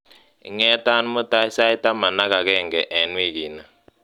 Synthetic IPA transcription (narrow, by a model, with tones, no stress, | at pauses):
ɪ̰˨ŋɛ˦ta˦n˦mʊ˦ta˦ɪ˦sa˦ɪ˦ta˦ma˨na˦ka˨kɛ˦˨ŋɡɛ˨ʔɛ˨nwi˦ki˨na˨